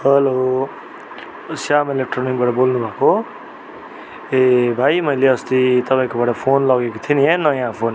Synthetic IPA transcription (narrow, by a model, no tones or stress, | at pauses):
ɦʌlo | sjamelek̚ʈronik̚baʈʌbolnubʱako | ebʱajmʌjleʌst̪it̪ʌpãĩkobaɽʌpʰonlʌɡekot̪ʰiniɦẽnʌjãpʰon